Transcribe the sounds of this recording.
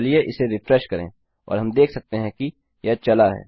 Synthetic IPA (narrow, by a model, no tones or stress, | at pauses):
lieʔɪseɾɪfɾɛʃkɐɾẽ | ɔ̰ːɾɦɐmd̪eːkʰsɐk̚t̪eɦɛ̃ki | jɐt͡ʃɐlaɦɛ̰ː